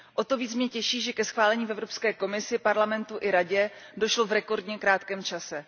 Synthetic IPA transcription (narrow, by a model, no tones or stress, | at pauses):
ʔo̞t̪o̞viːt͡smɲɛcɛʃiːʒɛkɛsxvaːlɛɲiːfɛvɾo̞pskɛːko̞mɪsɪpaɾlamɛnt̪uʔɪɾaɟɛdo̞ʃlovɾɛko̞ɾdɲɛkɾaːt̪kɛːmt͡ʃasɛ